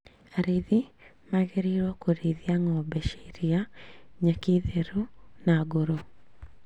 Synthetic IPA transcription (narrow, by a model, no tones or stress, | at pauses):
aɾiði | maɣeɾiɾɔkoɾiðiaŋɔbɛʃe̥ɾiaɲakiðeɾunaɡoɾo